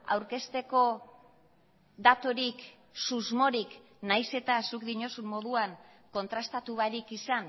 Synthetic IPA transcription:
a̰wɾke̞st̪e̞ko̞ | d̪at̪o̞ɾik | suzmo̞ɾik | najse̞t̪asukd̪iɲo̞summo̞ðuaŋ | ko̞nt̪ɾast̪at̪uβaɾikisan

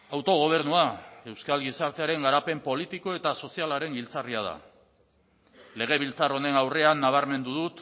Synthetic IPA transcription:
awt̪o̞ɣ̞o̞β̞e̞ɾnuae̞wskalɣisaɾt̪e̞aɾe̞ŋɡaɾape̞mpo̞lit̪iko̞e̞t̪aso̞sialaɾe̞ŋɡilt͡sariað̞a̰ | le̞ɣ̞e̞β̞ilt͡saro̞ne̞nawre̞anːaβ̞aɾme̞nd̪uðut̪

